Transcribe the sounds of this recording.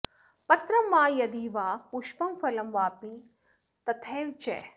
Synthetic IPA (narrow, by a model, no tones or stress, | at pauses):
pɐt̪ɾɐmːãːjɐd̪iːʋaːpuʃpɐmfɐlɐmʋaːpĩː | t̪ɐt̪ʰeːʋt͡ʃḛː